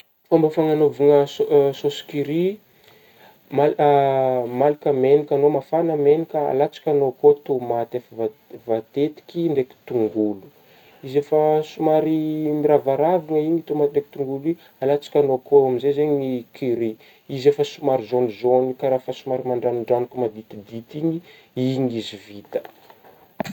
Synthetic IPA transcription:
fambafaŋanovuŋəssosi̥kiɾi | mal | malikʲəmenikʲanomafanəmenikʲəa̰lat͡sḁkʲanokot̪umat̪afvavat̪et̪i̥kʲiɳɖ͡ʐeki̥t̪uŋɡulu̥ | izefəsumaɾimiɾavaɾavaŋəiɲit̪umat̪ɖ͡ʐeki̥t̪uŋɡuli | alat͡sḁkʲanokoamizezeɲikiɾi | izefəsumaɾizonizonikaɾafəsumaɾimaɳɖ͡ʐanuɳɖ͡ʐanikumad̪it̪id̪it̪iɲi | iɲizivit̪ə̥

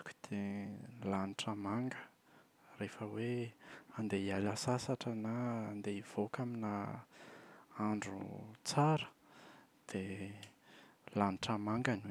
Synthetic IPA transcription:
kʲu̥d̪̥elaniʈ͡ʂamaŋɡə̥ | refəweand̪eialʲasasaʈ͡ʂənaːnd̪eiv̥okamina | aɳɖ͡ʐṵt͡saɾə̥d̪̥e | laniʈ͡ʂamaŋɡanw

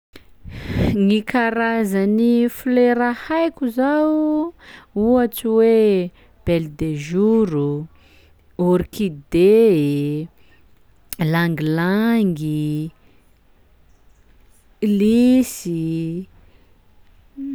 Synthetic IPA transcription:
ŋikʰaɾazanifuleɾahajkʲuzaw | uat͡siwe | b̥eld̪eʒuɾu | oɾikid̪e | laŋɡilaŋɡi | lisi

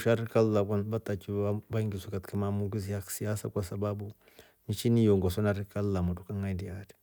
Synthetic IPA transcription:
ʃaɾikalːakʷanbat̪akibaŋɡisukatkamamuɡis̬ijaksijasa̰kʷasababu | nit͡ʃinijoŋɡosonaɾikalːamutukaŋadiad

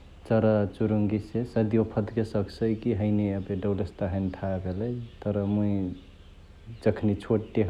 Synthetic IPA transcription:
t͡ʃəɾat͡ʃuɾuŋɡisesəd̪ijopʰəd̪kesəksəkiɦəɪneəbeɖəwlest̪aɦənt̪ʰabʱelet̪əɾəmui | d͡ʒəkʰnit͡ʃʰoʈʈeɦ

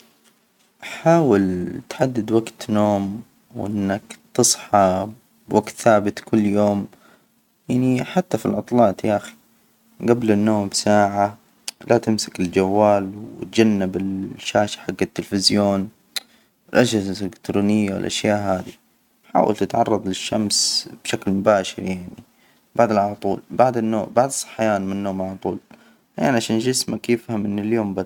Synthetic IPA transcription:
ʔħaːwɪlt̪ħad̪ːɪd̪waɡt̪noːm | wʔɪnːakt̪ɨsˤħɑ | bwʔaɡt̪θaːbɪt̪kʊlːjoːm | jaʕniħat̪ːafilʕɑt̪ˤlɑːt̪jaʔaxi̥ | ɡablɪnːoːmbsaːʕa | lat̪ɪmsakɪld͡ʒawːaːlwt̪̚d͡ʒanːɪbɪlʃaːʃḁħaɡːat̪ːɪlfɪzjoːn | wɪlʔad͡ʒazɪkt̪ɾuːnɪjːawɪ̰lʔa̰ʃjaːʔɦaːd̪i | ħa̰ːwʔa̰lt̪ɪt̪ʕɑ̰rˤːɑðˤlɪʃːamsb̥ʃaklmʊbaːʃɪɾjaʕni | baʕd̪ɪlʕalɑt̪ˤuːlbaʕd̪ɪnːoːbaʕd̪ɨsˤːɑ̥ħːjaːnmanːoːmʕalɑt̪ˤuːl | ja̰ːnʕaʃaːnʒɪsmakeːfhamɪnːɪljoːmbad̪

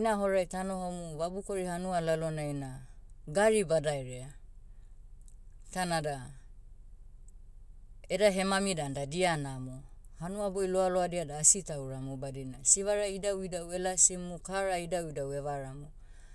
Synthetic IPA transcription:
inaɦoɾajtanohomuβabuko̞ɾihanualalonainaɡaɾibadajɾea | tanada | edaɦe̞mamidandadianamo | hanuabojloaloadiadaːsitawɾamobadinasiβaɾaidawidawelasimukaɾaidawidawe̞βaɾamu

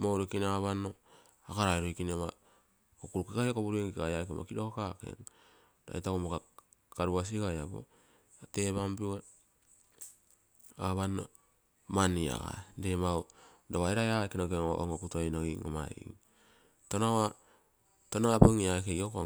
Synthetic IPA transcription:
mowɾokinaβanːo | akaɾajɾojkinema | kokuɾukikajakoβuɾueŋkikajaekema̰kidokakake̞̰ŋ | da̰jtakomoka | kaɾuas̬iɡajabo̰ | ateβampie | aβano | mania̰ɡa̰demawdoβajɾajaekinokeo̰o̰ŋokutoejnoiŋo̰ma̰ḭŋ | tonawa | tonapoŋiaekejoko

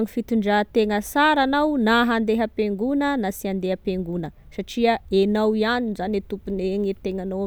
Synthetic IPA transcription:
ŋifit̪uɳɖ͡ʐat̪eŋəsaɾanawnaɦand̪eɦəpeŋɡunənasiand̪eɦəpeŋɡunəsaʈ͡ʂiəenawianinzanit̪upuneŋit̪eŋano

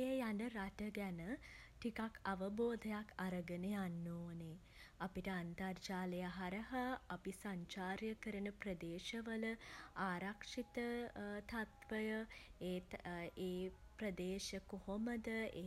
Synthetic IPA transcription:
jəjanəɾaʈəɡænəʈikakʰaʋəboːd̪ʱɐjakʰaɾəɡənejanːoːne | apiʈəant̪ɐrt͡ʃaːlejaɦaɾɐɦaapisaɲt͡ʃaːɾjəkəɾənəprəd̪eːʃɐʋələaːɾakʂit̪ət̪ʰat̪ʋəjəeːeː | pɾəd̪eːʃəkoɦoməd̪əe

